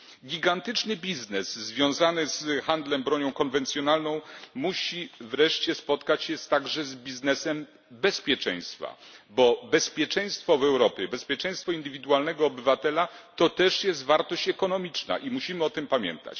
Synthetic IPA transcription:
ɡʲiɡant̪ɘt͡ʂnɘbʲiznɛzzvʲjɔ̃w̃zanɘzxand̪lɛmbɾɔɲɔ̃w̃kɔnvɛnt̪sʲjɔnalnɔ̃w̃muɕivɾɛʂt͡ɕɛspɔt̪kat͡ɕɕɛst̪aɡʐɛzbʲiznɛsɛm | bɛspʲjɛt͡ʂɛ̰̃j̃st̪fa̰bɔbɛspʲjɛt͡ʂɛj̃st̪fɔvɛwɾɔpʲjɛbɛspʲjɛt͡ʂɛ̃j̃st̪fɔind̪ɘvʲid̪ualnɛɡɔːbɘvat̪ɛlat̪ɔt̪ɛʂjɛst̪vaɾt̪ɔɕt͡ɕɛkɔnɔmʲit͡ʂna̰ʔimuɕimɘɔt̪ɘmpamʲjɛ̰nt̪a̰t͡ɕ

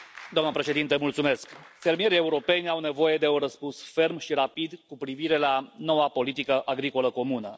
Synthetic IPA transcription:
d̪oamnəpɾe̞ʃed̪int̪əmult̪sume̞skfe̞rmieɾie̞uɾo̞pe̞nʲawne̞vo̞je̞d̪e̞oɾəspunsfe̞rmʃiɾapid̪kupɾiviɾe̞lano̞wapo̞lit̪ikəʔaɡɾiko̞ləko̞munə

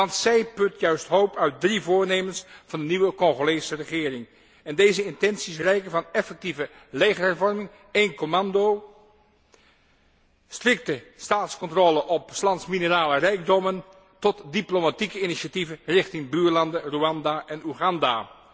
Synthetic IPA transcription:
ɑntsɛjpɵtjœɥstɦowpœɥt̚drivʊːɹnejmənsvɑndəniʋəkɔχolejsərəχɪːrɪŋ | ɛndejzəɪntɛnsisrɛjkənvɑnɛfɛk̚tivə | lejχəɹɦɛɹvɔɹmɪŋ | ejnkomɑndow | strɪk̚təstaːtskɔntroːləʔɔpslɑntsminəraːlərɛjɡ̚dɔmən | tɔtdiplomatikəɪniʃativərɪχtɪŋbyːɹlɑndəruɑndaːʔɛnuχɑnda̰ː

